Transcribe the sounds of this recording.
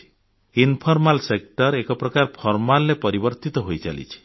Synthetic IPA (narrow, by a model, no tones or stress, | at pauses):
i̥ | inpʰɔɾmalsek̚ʈɔɾekɔpɾɔkaɾpʰɔɾmalːepɔɾibɔɾt̪it̪ɔɦojt͡ʃa̰lḭt͡ʃʰi̥